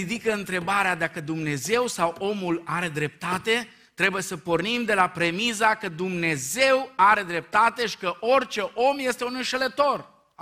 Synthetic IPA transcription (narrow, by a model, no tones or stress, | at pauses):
id̪ikəɨnt̪ɾe̞baɾead̪akəd̪umne̞ze̞wsawo̞mulaɾe̞d̪ɾe̞p̚t̪at̪e̞ | t̪ɾe̞bujesəpo̞rnimd̪e̞lapɾe̞mizakəd̪umne̞ze̞waɾe̞d̪ɾe̞p̚t̪at̪e̞ʃi̥kəʔo̞rt͡ʃe̞ʔo̞mjest̪e̞unɨnʃelət̪o̞r